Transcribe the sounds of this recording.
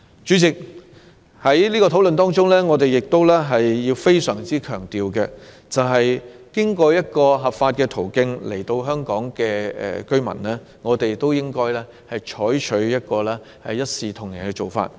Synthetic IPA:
t͡ʃyː˨˥t͡sɪ˨k̚ | hɐ˨˥jliː˥kɔː˧t̪ʰo˨˥wlɵ˨nt̪ɔː˥ŋt͡ʃʊ˥ŋlɛː˥ŋɔː˨˧t̪e˨jɪ˨k̚t̪o˥wlɛ˥ɦɐ˨jjiː˧wfe˥jsœː˨˩ŋt͡siː˥kʰœː˨˩ŋt̪iː˨wkɛ˧ | t͡sɐ˨wɦɐ˨jkɪ˥ŋkɔː˧jɐ˥t̚kɔː˧ɦɐ˨pfaː˧t̚kɛː˧t̪ʰo˨˩wkɪ˧ŋle˨˩jt̪o˧wɦœː˥ŋkɔː˨˥ŋkɛː˧ɛ̰˨kɵ˥ɥmɐ̰˨˩nlɛː˥ | ŋɔː˨˧t̪e˨jt̪o˥wjɪ˥ŋkɔː˥jlɛː˥ | hɐ˨jt͡ʃʰɔː˨˥jt͡ʃʰɵ˨˥ɥjɐ˥t̚kɔː˧lɛː˥ | hɐ˨jːɐ˥t̚siː˨t̪ʰʊ˨˩ŋjɐ˨˩nkɛ˧t͡ʃo˨wfa̰ː˧t̚

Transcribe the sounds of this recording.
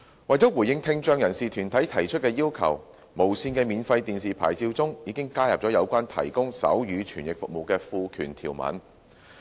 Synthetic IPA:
wɐ˨˩jt͡sɔː˨˥wuː˨˩jɪ˧ŋt̪ʰɪ˧ŋt͡ʃœː˧ŋjɐ˨˩nsiː˨t̪ʰyː˨˩nt̪ʰɐ˨˥jt̪ʰɐ˨˩jt͡ʃʰɵ˥t̚kɛː˧jiː˥wkʰɐ̰˨˩w | mo˨˩wsiː˧nkɛː˧miː˨˧nfɐ˧jt̪iː˨nsiː˨˩pʰa̰ː˨˩jt͡siː˧wt͡sʊ˥ŋjiː˨˧kɪ˥ŋkaː˥jɐ˨p̚ɔː˨˥jɐ˨˧wkʷaː˥nt̪ʰɐ̰˨˩jkʊ˥ŋsɐ̰˨˥wjyː˨˧t͡ʃʰyː˨˩njɪ˨k̚fʊ̰˨k̚mo˨˩wkɛː˧fuː˧kʰyː˨˩nt̪ʰḭː˨˩wmɐ̰˨˥n

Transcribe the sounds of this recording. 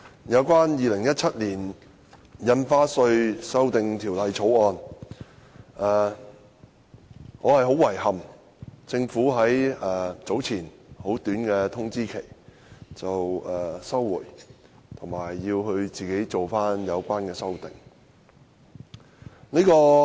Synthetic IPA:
jɐ˨˧wkʷaː˥njiː˨lɪ˨˩ŋjɐ˥t̚t͡sʰɐ˥t̚liː˨˩n | jɐ˧nfaː˧˥sɵ˧ɥsɐ˥wt̪ɪ˨ŋt̪ʰiː˨˩wlɐ˨jt͡sʰo˨˥wɔː˧n | ɛː˨˩ | ŋɔː˨˧hɐ˨jɦo˨˥wɐ˨˩jhɐ˨m | t͡sɪ˧ŋfuː˨˥ɦɐ˨˥jɛː˨t͡so˨˥wt͡sʰiː˨˩nho˨˥wt̪yː˨˥nkɛː˧t̪ʰʊ˥ŋt͡siː˥kʰe˨˩j | t͡sɐ˨wɛː˨sɐ˥wːuː˨˩jt̪ʰʊ˨˩ŋmaː˨˩jːiː˧wɦɵ˧ɥt͡siː˨ke˨˥jt͡so˨wfaː˥njɐ˨˧wkʷaː˥nkɛː˧sɐ˥wt̪ɪ˨ŋ | niː˥kɔː˧

